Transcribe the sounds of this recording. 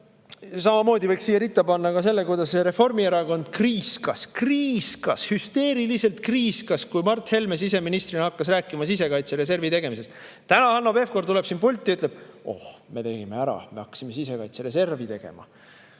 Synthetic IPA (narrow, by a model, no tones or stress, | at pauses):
sɑmɑmo̞ːd̪ivɤjksiːjeɾit̪ːˑɑpɑnːɑkɑs̬e̞lːe̞kujd̪̥ɑsseɾe̞fo̞rmieɾɑko̞nd̪̥̚kriːskɑskriːskɑshyst̪e̞ːɾilise̞lt̪̚kriːskɑskujmɑrt̪he̞lme̞s̬ise̞minist̪rinɑkːɑs̬ræːkːˑimɑsis̬e̞kɑjt̪seɾe̞s̬e̞rvit̪e̞ɡ̥e̞mis̬e̞st̪ | t̪ænɑɑlnːo̞be̞fko̞rt̪ule̞b̥sinpulʲt̪ʲːˑiyt̪ːˑleb̥o̞̰hme̞t̪e̞ɡime̞æɾɑ̰me̞ɑkːˑɑ̥sime̞sise̞kɑjt̪seɾe̞s̬e̞rvit̪e̞ɡ̥e̞̰mɑ̰